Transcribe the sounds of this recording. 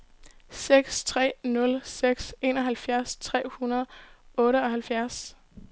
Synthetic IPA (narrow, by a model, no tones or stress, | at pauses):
seɡ̥st͡sʰʁɛ̰ːnɔ̽lseɡ̥se̝nɒ̽ɦælfjæɐst͡sʰʁɛ̰ːhunɐð̞̩ˠɔ̽ːɾəɒ̽hælfjæɐs